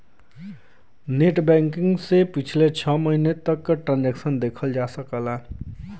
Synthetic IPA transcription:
neʈbɛŋkiŋɡsepit͡ʃʰilet͡ʃʰʌməɦinet̪əkːʈɾãnd͡ʒɛksənd̪ekʰəld͡ʒasəkəla

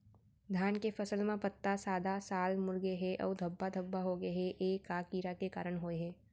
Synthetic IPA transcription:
d̪ʱjaːnkefɐsəlmẽpət̪ːasaːd̪ʱasaːlmʊɾɡeɦɛʔɔ̰ːɾd̪ʱəbːad̪ʱəbːaɦoɡeɦeʔeːkːaːkiːɾakeka̰ːɾəɳɦoːeɦɛ̃ː

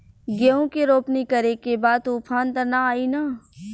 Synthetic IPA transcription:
ɡeõkeɾoːpnikɐɾekebaːd̪̚t̪oːpʰaːnt̪ɐɾnaaːinaː

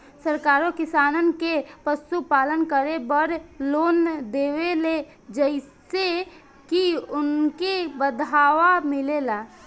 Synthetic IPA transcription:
səɾkaːɾokɪsaːnənkepəsupaːlənkəɾebəɾloːnd̪eːwele | d͡ʒəɪse | kiʊnkebəd̪ʱaːʋamɪlelaː

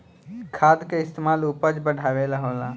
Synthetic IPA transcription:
kʰaːd̪keɪst̪emaːlupəd͡ʒbəɽʱaːʋelɐɦoːlaː

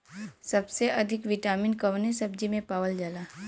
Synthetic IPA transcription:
sɐbseʔɐd̪ʱɪkʋɪʈaːminkɐʋnesɐbd͡ʒimẽpaːʋəld͡ʒalaː

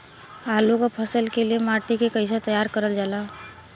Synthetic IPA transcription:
aːlukapʰəsəlkeliemaːʈikekəɪs̬et̪əjaːɾkəɾəld͡ʒaːlaː

